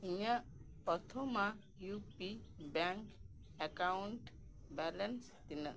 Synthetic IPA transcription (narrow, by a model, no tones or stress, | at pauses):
iɲaʔpɔt̪ʰɔma | jupibaŋk | ɛkauɳʈ | bɛlɛns | t̪inə